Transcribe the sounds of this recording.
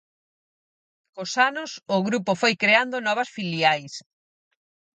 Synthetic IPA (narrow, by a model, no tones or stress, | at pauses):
kosanʊsʊɣɾupʊfojkɾeand̪ʊnɔβ̞ɐsfiliajs